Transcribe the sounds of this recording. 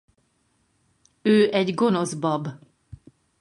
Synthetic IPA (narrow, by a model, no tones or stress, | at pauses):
øːʔɛɟɡo̞no̞zbɒb